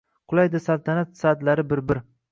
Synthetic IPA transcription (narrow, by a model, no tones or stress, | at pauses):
qʰʊlˠajd̪ɪsalˠt̪ʰanat̪sad̪laɾɪbɪɾbɪɾ